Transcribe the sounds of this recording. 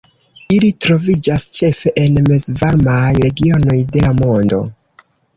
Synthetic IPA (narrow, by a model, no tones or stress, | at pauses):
ilitɾo̞vid͡ʒast͡ʃe̞fe̞ʔenmezvaɾmajɾe̞ɡio̞no̞jde̞lamo̞ndo̞̰